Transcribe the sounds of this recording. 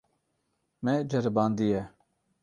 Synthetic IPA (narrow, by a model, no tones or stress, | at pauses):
mɛd͡ʒɐɾbaːnd̪ijɛ